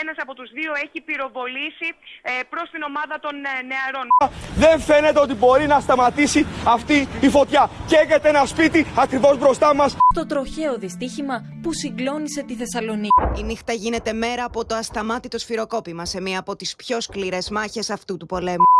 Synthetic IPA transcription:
enɐsɐpo̞t̪uzðio̞e̞çipiɾo̞vo̞lisipɾo̞st̪ino̞mɐðɐt̪o̞nneɐɾo̞nðe̞ɱfe̞ne̞t̪eo̞t̪ibo̞ɾinɐst̪ɐmɐt̪isiɐft̪iːfo̞t̪çɐceɣet̪eenɐspit̪iɐkɾivo̞zbɾo̞st̪ɐmɐsst̪o̞t̪ɾo̞çe̞oðist̪içimɐ | pusiŋɡlo̞nise̞t̪iθe̞sɐlo̞niiinixt̪ɐʝine̞t̪e̞me̞ɾɐːpo̞t̪o̞ɐst̪ɐmɐt̪it̪o̞sfiɾo̞ko̞pimɐse̞miɐːpo̞t̪ispço̞skliɾe̞zmɐçe̞sɐft̪ut̪upo̞le̞mu

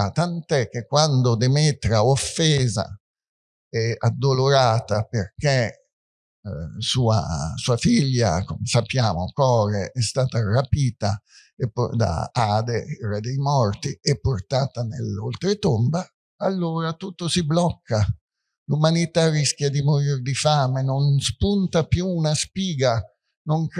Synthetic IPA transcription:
t̪ant̪ɛkːekːwand̪od̪emet̪ɾaofːɛːza̰ | ɛad̪ːoloɾaːt̪aperk̟e | suːa̰suːafiʎːa̰komesapːjaːmokɔːɾeʔɛst̪aːt̪arapiːt̪a | epːd̪a̰aːd̪eɛːɾad̪ejmɔrt̪iɛpːort̪aːt̪anḛlolt̪ɾet̪omba | alːoːɾat̪ut̪ːosiblɔkːa | lumanit̪arisk̟jad̪imoɾird̪ifaːmenonspunt̪apjuːnaspiːɡa | noŋk

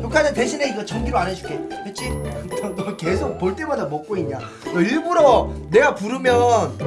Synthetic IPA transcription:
jokʰanɯnteɕʰineiɡʌt͡ɕʰʌŋɡiɾoanɯɕʰu̥k͈eket͡ɕ͈ʰit͡ɕʌŋdake̞sʰok̚poɭt͈e̞madamʌk̚k͈oiɲɲa | kʌiɭbuɾʌne̞ɡapuɾɯmjʌn

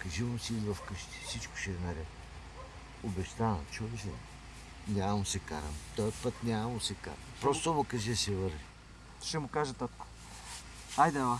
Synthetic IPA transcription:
kɐʒivɐmsiizvɐfkəʃt̪i̥sit͡ʃkʊ̥ʃɛnɐɾɛ | obɛʃt̪anɐ̰t͡ʃulɛʃɛ̰ | nʲammʊsɛka̰ɾɐ̰mt̪ɔjəpət̪nʲamɐmʊsɛka̰ɾɐmpɾɔst̪omʊkɐʒɛsɛvəɾvi | ʃɛmʊkaʒət̪ɔt̪kʊ̥ | ajd̪ɛva

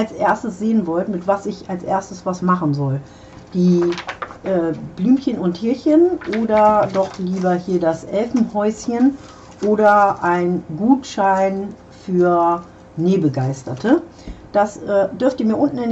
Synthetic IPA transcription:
alsʔeːɐstəsz̥eːənvɔltmɪtv̥asɪçalsʔḛːɐstəsv̥asmaχn̩zɔl | d̥iː | ʔɛːb̥lyːmçənʊntʰhɪɐçənʔoːdɐdɔχliːbɐhiːɐdasʔɛlfn̩hɔʏsçən | ʔoːɾɐʔaɪnɡuːtʃaɪn | fyːɐ | neːbəɡaɪstɐtʰə | d̥asʔɛːd̥ʏɐftəmiːɐʔʊntn̩ɪn

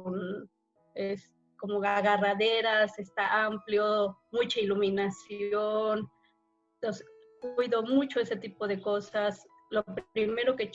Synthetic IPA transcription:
n | est̪ | komoɣaɣaraðeɾasest̪aʔampljomut͡ʃailuminasjon | os | kiðomut͡ʃoeset̪ipoðekosas | lopɾime̞ɾoket͡ʃ

